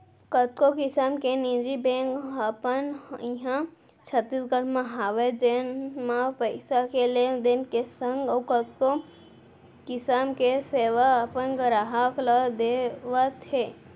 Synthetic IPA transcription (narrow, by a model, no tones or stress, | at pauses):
kət̪̚kokɪsaːmkenid͡ʒibẽːŋkapəniɦã | t͡ʃʰət̪ːiːsɡəɽ̤mãɦaːʋed͡ʒenmãpəɪsakeled̪enkesə̃ŋɡɔːkət̪̚ko | kɪsamkeseːʋapənɡəɾaɦaklad̪eʋat̪eː